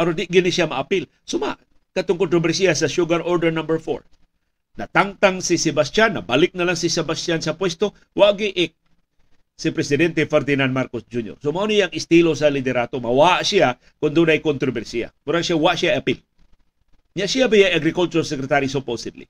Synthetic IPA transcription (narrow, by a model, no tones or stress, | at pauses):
paɾond̪ɪʔɡɪniʃjamaʔapɪl | sʊma̰ʔ | kat̪ʊŋkont̪ɾobɛɾsiasɐʃuɡaɾoɹd̪ɛɾnambɛɾfo̰ɹ | nɐt̪aŋt̪aŋsɪsɛbast̪janːɐ̰balɪk̚nɐlaŋsɪsɛbast̪jansɐpwɛst̪o | waʔɡɪʔɪk̚ | sɪpɾɛsɪd̪ɛnt̪ɛfɛɾd̪inanmaɾkosd͡ʒunjo̰ɾsomaʔonɪjaŋɪst̪ilosɐlɪd̪ɛɾat̪omɐwaaʔsia | kʊnd̪unajkont̪ɾobɛɾsia̰mʊɾaŋsjawaʔʃjaapɪl | ɲaʔsiabijaaɡɾɪkult̪ʊɾsɛkɾɛt̪aɾis̬oposɪd̪lḭ